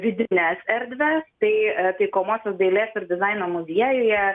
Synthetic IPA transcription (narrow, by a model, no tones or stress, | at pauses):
ʋʲɪd̪ʲɪnʲɛsɛɾʲd̪ʲʋʲɛst̪ɐɪt̪ɐɪkoːmoːsʲosd̪ɐɪlʲeːsɪɾd̪ʲɪzɐɪnoːmʊzʲiɛjʊjɛ